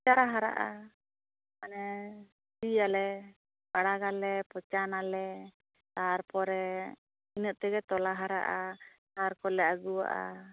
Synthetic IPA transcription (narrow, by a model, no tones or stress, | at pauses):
t͡ʃaɾaɦaɾa̰ʔa | manɛ | sijalɛ | baɽaɡalɛpɔt͡ʃanalɛ | t̪aɾpɔɾɛ | inəʔ̚t̪ɛɡɛt̪ɔlaɦaɾa̰ʔataɾkɔlɛʔaɡuwa̰ʔa̰